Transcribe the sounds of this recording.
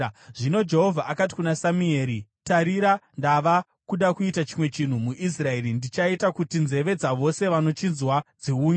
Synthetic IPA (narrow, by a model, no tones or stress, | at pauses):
ʐino̞d͡ʒe̞ɦo̞vʱaakati̥kunasamie̞ːɾitaɾiɾandaʋa | kuɗakuitat͡ʃimwe̞t͡ʃin̤umuʔis̬rae̞ɾindit͡ʃaitakutinze̞ʋe̞d͡zaʋo̞se̞ʋano̞t͡ʃinzwad͡ziuːɲ